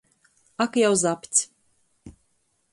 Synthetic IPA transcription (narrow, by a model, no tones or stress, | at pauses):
akjawzapʲt̪sʲ